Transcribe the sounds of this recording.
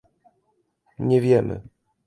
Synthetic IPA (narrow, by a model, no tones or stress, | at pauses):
ɲɛvʲjɛmɘ̰